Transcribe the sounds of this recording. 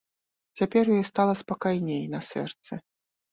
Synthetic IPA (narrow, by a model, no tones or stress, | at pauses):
t͡sʲapʲɛrjujɔst̪alˠɐspakajnʲejnɐsɛ̰rt̪sɨ